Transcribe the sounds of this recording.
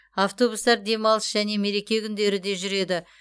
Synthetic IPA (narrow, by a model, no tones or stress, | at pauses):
aft̪o̞bust̪ɑɾd̪e̞mɑlˠəsʒ̥æne̞me̞ɾe̞kʲe̞kʲʰʏnd̪e̞ɾɪd̪e̞ʒʏɾe̞d̪ɪ